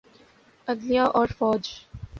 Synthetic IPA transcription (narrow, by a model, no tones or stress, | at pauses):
əɡliaʔɔːɾfɔːd͡ʒ